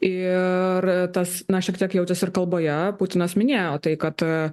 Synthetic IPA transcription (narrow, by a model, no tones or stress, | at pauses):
ɪrt̪ɐsnɐʃʲiɛkt̪ʲiɛkjɛʊt̪ʲɛsɪɾkɐlˠboːjɛput̪ʲɪnɐsmʲɪnʲeːjoːt̪ɐɪkɐt̪